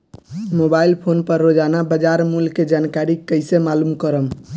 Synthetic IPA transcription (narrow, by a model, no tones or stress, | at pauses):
mobailpʰonpəɾːod͡ʒanabəd͡ʒaɾmulked͡ʒankaɾikəjsemalumkəɾəm